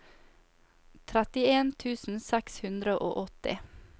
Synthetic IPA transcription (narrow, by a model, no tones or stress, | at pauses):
t̪ʰɾæt̪ɪeːnt̪ʰʉːsn̩sɛkshʉnd̪ɾəʔo̰ːʔɔt̪ɪ̰